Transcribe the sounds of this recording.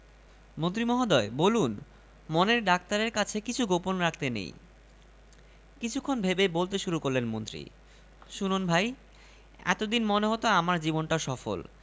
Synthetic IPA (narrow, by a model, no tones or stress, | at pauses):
mont̪ɾimɔɦad̪ɔebolun | moneɾɖak̚t̪aɾeɾkat͡ɕʰekit͡ɕʰuɡoponɾakʰt̪enḛj | kit͡ɕʰukʰːonbʱebebolt̪eʃuɾukoɾlenmont̪ɾḭ | ʃununbʱaj | ɛ̰t̪od̪inmoneɦot̪oamaɾd͡ʑibonʈaʃɔfo̰l